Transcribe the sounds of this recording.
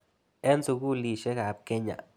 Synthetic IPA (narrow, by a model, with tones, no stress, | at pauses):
e˦nzu˧ɡu˦li˧ʃe˦ɡa˨b̚ke˦ɲa̰˨